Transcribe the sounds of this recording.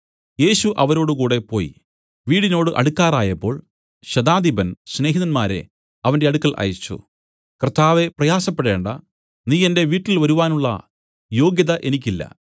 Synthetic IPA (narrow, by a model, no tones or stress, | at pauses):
je̞ːɕuʔɐʋɐɾo̞ːɽɨkuːɽe̞po̞ːj | ʋiːɽino̞ːɽɨʔɐ̰ɽukːaːraːjɐpːo̞ːɭ | ɕɐd̪aːd̪ibɐnɕne̞ːɦiðɐnmaːɾe̞̰ | ɐʋɐnde̞ɐɽukːɐɭʔɐ̰jɐt͡ɕːṵ | krt̪ːaːʋe̞prɐjaːsɐpːeɽe̞ːɳɖɐ̰ | niːende̞ʋiːʈːilʋɐɾuʋaːnuɭːɐ̰ | jo̞ːɡjɐðɐʔe̞nik̬ʲːilːɐ̰